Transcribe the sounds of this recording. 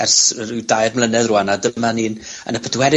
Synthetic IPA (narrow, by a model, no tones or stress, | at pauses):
ɛrsrɪdajrmlˠənɛðruanadəmaniːnə̰nəpʰədwɛɾɪ